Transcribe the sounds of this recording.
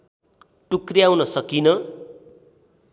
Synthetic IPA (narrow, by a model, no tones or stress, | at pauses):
ʈukriawnʌsʌkinʌ